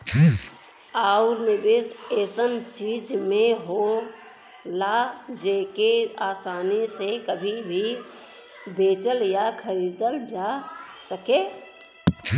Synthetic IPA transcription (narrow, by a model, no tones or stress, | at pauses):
aːʊɾnɪbeseːsənt͡ʃiːd͡ʒmẽɦo | lad͡ʒeːkeaːsaːnisekəbʱibʱi | beːt͡ʃəljakʰəɾiːd̪əld͡ʒaːsəkeː